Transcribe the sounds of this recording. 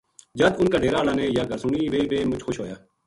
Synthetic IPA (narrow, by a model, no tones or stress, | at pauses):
d͡ʒɐd̪ʊnkaɖeːɾaːlaːneːjaːɡəɾsʊniːʋeːʋeːmʊt͡ʃʰxʊʃɦoːjaː